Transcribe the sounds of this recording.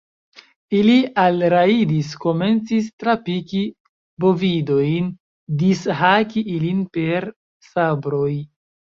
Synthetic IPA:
ilialɾaidisko̞me̞nt͡sistɾapiki | bo̞vido̞jn | disɦakiʔilinpe̞ɾ | sabɾo̞j

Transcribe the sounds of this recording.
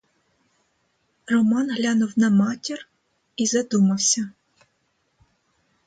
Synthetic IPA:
rɔmɑnɦlʲanuwnɐmɑtʲir | izɐd̪umɐwsʲɐ

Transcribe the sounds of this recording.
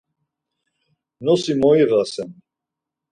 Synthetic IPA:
nɔsimɔiʁasɛn

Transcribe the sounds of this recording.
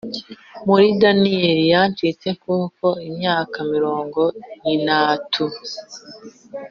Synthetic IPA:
muɾidaniɾijant͡ʃit͡se̞kuːko̞imɲaːkamiɾo̞ːŋɡo̞jinatʰu

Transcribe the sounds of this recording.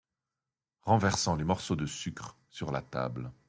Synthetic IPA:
ʁɑ̃vɛʁsɑ̃lemɔʁsod̪əsykχ | syʁla̰t̪a̰bl

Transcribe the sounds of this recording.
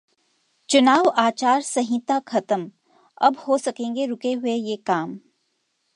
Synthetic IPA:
t͡ʃʊnaːʋaːt͡ʃaːɾsɐɦɪ̃t̪akʰɐt̪əm | ɐbhosɐkẽːŋɡeɾʊkeɦʊejekaːm

